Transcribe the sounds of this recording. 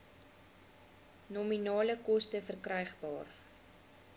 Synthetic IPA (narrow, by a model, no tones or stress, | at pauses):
nɔminɑːləkɔstəfərkrœjχbɑːr